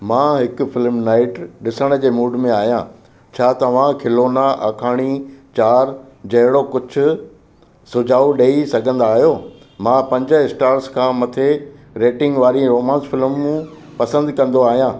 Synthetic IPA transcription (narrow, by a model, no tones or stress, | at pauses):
mãːɦɪkʊfɪlmnaːɪʈɗɪsəɽ̃ə̆d͡ʑeːmuːɖmẽaːɦijã | t͡ɕʰaːt̪ɐʋ̤ãkʰɪloːnaʔa̰ːkʰaːɽ̃it͡ɕaːɾ | d͡ʑɐɦɪɽokʊd͡ʑʰʱʊ̆ | sʊd͡ʑʱaːuɗeːisɐɡʱə̃nd̪aːɦijoː | mãːpɐ̃ɲd͡ʑə̆ɪsʈaːɾskʰãːmɐt̪ʰe | ɾeːʈɪ̃ŋɡʋaːɾiɾoːmãːnsfɪlmːũ | pɐsə̃nd̪kɐ̃nd̪oaːɦijãː